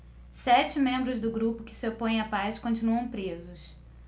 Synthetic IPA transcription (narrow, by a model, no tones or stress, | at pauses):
sɛt͡ʃɪmẽmbɾʊzd̪ʊɡɾupʊkɪ̥sɪopõj̃ẽj̃apaskõnt͡ʃinuɐ̃w̃pɾezʊs